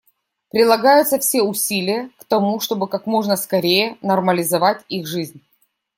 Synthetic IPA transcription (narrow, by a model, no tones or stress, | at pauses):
pɾʲɪd̪lˠɐɡajʊt̪səfsʲeʊsʲilʲɪjəkt̪ɐmuʂt̪o̞bɨkakmo̞ʐnəskɐɾʲejənɐrməlʲɪzɐvatʲixʐɨzʲnʲ